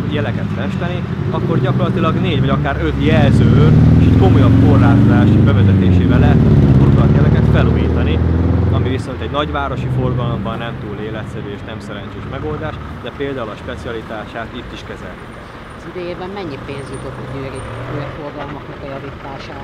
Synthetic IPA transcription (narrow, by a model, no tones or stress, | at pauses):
jɛlɛkɛt̪fɛʃt̪ɛni | ɒkːo̞rɟɒkorlɒt̪ilɒɡneːɟvɒɟɒkaːɾø̞t̪jɛlzøːøreʃɛcko̞mo̞jɒbko̞rlaːt̪od̪aːʃbɛvɛzɛt̪eːʃeːvɛlɛt̪ːkorkɒt̪jɛlɛkɛt̪fɛluːjiːt̪ɒniɒmiviso̞nt̪ɛɟnɒɟʋaːɾo̞ʃifo̞rɡɒlo̞mbɒnːɛmt̪uːleːlɛt̪sɛɾyeʃnɛmsɛɾɛɲt͡ʃeːʃmɛɡo̞ld̪aːʃd̪ɛpeːld̪aːulɒʃpɛt̪siɒlit̪aːʃaːt̪it̪ːiʃkɛzɛ̰lnikɛ̰l | zid̪øːjeːbɛmmɛɲːipeːnzud̪ot̪ːuɟøːɾiojɛforɡɒlmɒknɛkɒjɒvit̪aːʃaː